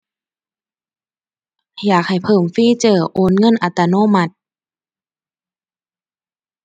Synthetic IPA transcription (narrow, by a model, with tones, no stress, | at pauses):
jaː˨˩k̚ha˨˩jpʰɤː˧˩mfiː˧˥˨t͡ɕɤː˧˩ʔoː˧˦˥nŋɤ˧˥˨nʔa˧t̪ːa˧noː˧˥˨ma˧t̪̚